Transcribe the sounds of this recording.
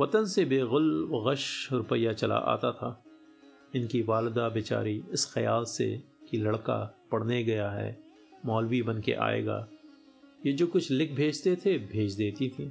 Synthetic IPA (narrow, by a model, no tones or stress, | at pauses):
ʋɐt̪ənsebeːɣʊlʋɣəʃɾʊpəjat͡ʃɐla̰ʔa̰ːt̪at̪ʰaː | ɪnkiʋaːlɪd̪abɪt͡ʃa̰ːɾiɪsxɐjaːlsḛkilɐɽka̰pɐɽ̤neɡɐjaɦɛ̰ː | mɔːlwibɐnkḛʔa̰ːḛːɡa̰ː | jed͡ʒoːkʊt͡ʃʰlɪk̚ʰbʱeːd͡ʒt̪et̪ʰebʱeːd͡ʒd̪eːt̪it̪ʰiː